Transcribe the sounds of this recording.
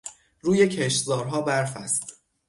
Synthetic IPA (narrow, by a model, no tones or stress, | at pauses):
ɾuːje̞cʰeʃzɒːɾɦɒːbæɾfæst̪